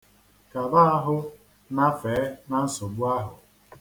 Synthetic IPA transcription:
ka˨ba˦a˦ɦʊ˦ | na˦feː˨˦na˦n̩˦so˨ɡ͡bu˦a˦ɦʊ˨

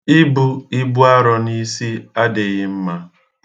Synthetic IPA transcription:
ɪ˦bʊ˦ɪ˦bʊ˦a˦ɾɔ˨ni˦si˦a˦de˨ɣɪ˦m̩˦ma˦

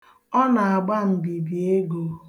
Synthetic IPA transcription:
ɔ˦na˨a˨ɡ͡ba˦m̩˨bi˨bi˨e˦ɡo˨

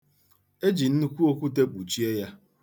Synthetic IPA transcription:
e˦d͡ʒi˨n̩˦nu˦kʷu˦o˦kʷu˦t̬e˦k͡pu˨t͡ʃi˦e˦ja˦

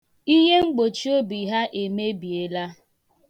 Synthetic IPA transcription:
i˦ɦe˦ŋ͡m̩˦ɡ͡bo˨t͡ʃi˦o˦bi˨ɦa˦ʔe˨me˦bi˨e˦la˦

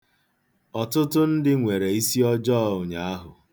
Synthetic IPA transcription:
ɔ˨tʊ˦tʊ˦n̩˦dɪ˦ŋʷe˨ɾe˨i˦si˦ɔ˦d͡ʒɔ˦˨ʊ˨ɲa˨a˦ɦʊ˨

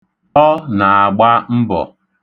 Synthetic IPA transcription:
ɔ˦na˨a˨ɡ͡ba˦m̩˦bɔ̰˨

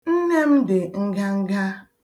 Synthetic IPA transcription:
n̩˦ne˦m̩˦dɪ˨ŋ̩˦ɡa˦ŋ̩˦ɡa˦

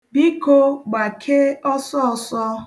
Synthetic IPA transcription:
bi˦ko˦ɡ͡ba˨kʰe˦ɔ˦sɔ˦ɔ˨sɔ˦

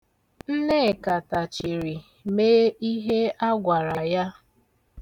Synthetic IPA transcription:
n̩˦ne˦˨ka˨ta˨t͡ʃi˨ɾi˨ | meː˦i˦ɦe˦a˦ɡʷa˨ɾa˨ja˦

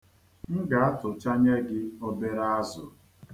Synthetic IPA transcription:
ŋ̩˦ɡa˨a˦tʊ˨t͡ʃa˦ɲe˦ɡɪ˦o˦be˦ɾa˦a˦zʊ̰˨

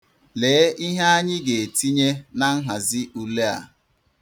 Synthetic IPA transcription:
leː˨˦i˦ɦe˦a˦ɲɪ˦ɡe˨e˨ti˦ɲe˦na˦ŋ̩˦ɦa˨zɪ˦ʔu˨le˦a̰˨

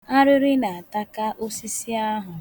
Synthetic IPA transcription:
a˦ɾɪ˦ɾɪ˦na˨a˨ta˦ka˦ʔo˦si˦si˦a˦ɦʊ˨

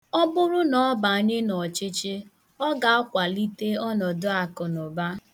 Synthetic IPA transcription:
ɔ˦bʊ˦ɾʊ˦nɔ˨˦ba˨a˨ɲɪ˦nɔ˨t͡ʃɪ˦t͡ʃɪ˦ | ɔ˦ɡa˨a˦kʷa˨li˦te˦ɔ˦nɔ˨dʊ˦a˨kʊ˨nʊ˨ba˦

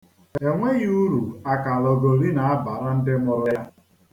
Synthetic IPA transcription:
e˨ŋʷe˦ɣu˦ɾu˨a˦˨ka˨lɔ˨ɡo˨ɾi˦na˨a˦ba˨ɾa˦n̩˦dɪ˦mʊ˦ɾʊ˦jja˦

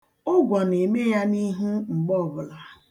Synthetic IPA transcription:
ʊ˦ɡʷɔ˨ne˨me˦ja˦ni˦ɦu˦ŋ͡m̩˨ɡ͡bɔ˦˨bʊ˨la˨

